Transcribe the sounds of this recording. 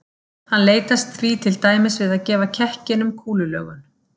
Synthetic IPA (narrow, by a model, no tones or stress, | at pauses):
hanleːjt̪ast̪θviːt̪ʰɪlt̪aːjmɪsvɪðaðcɛːvacʰɛhcɪnʏmkʰuːlʏlœ̰ːɣʏn